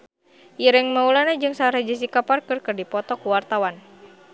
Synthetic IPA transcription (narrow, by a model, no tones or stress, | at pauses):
jiɾɛŋmaulanad͡ʒɨŋsaɾad͡ʒis̬ikaparkɨrkɨrdipɔt̪ɔkuwart̪awan